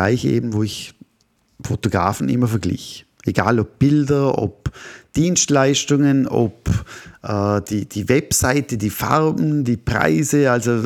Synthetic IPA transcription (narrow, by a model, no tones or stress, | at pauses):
aɪçḛːbm̩voːɪç | fotoɡ̥ʁa̰ːfn̩ʔɪ̰mɐfɛɐɡlɪ̰ç | ʔeɡaːlɔp̚b̥ɪldɐo̰pd̥iːnstlaɪstʊŋəno̰pʔɛːd̥iːd̥iːvɛpsaɪtədiːfa̰ʁbm̩diːpʁ̥a̰ɪzəalzo